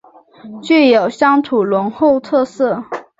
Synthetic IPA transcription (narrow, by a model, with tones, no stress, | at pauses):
t͡ɕy˥˩jo˨˩ʊɕjɑ˥ŋt̪ʰu˨˩lwə˧˥ŋxo˥˧ʊt̪ʰɤ˥˧sɤ˥˩